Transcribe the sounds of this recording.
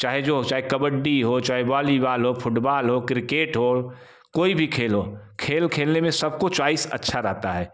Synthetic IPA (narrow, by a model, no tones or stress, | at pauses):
t͡ʃaːɦed͡ʒot͡ʃaːɦekɐbəɖːiɦot͡ʃaːɦebaːlibaːlɦopʰʊʈbaːlɦokɾɪkeːʈɦo | koːibʱikʰeːlɦokʰeːlkʰeːlnemẽsəb̚ʱkot͡ʃaːisə̰tːʃʰaɾɛɦt̪aɦɛː